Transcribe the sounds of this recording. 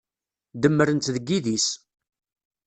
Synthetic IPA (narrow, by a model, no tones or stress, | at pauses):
d̪əmːəɾənt̪ðəɡːiðis